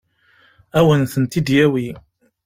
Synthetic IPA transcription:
æwənθənt̪id̪jæwi

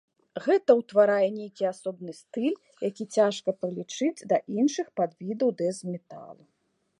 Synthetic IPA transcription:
ɣɛt̪ɐwt̪vaɾajɛnʲejkʲiasɔbnɨst̪ɨlʲ | jakʲit͡sʲaʂkɐpɾɨlʲit͡ʂɨd͡zʲd̪ɐʔinʂɨxpad̪vʲid̪ɐwd̪ɛzmʲɛt̪a̰lˠu

